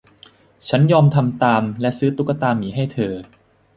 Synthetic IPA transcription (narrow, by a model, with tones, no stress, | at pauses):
t͡ɕʰa˦˥njɔː˧mt̪ʰa˧mt̪aː˧mlɛ˦˥ʔsɯː˦˥t̪u˦˥kːa˧t̪aː˧mːiː˩˦ɦa˥˩jt̪ʰɤː˧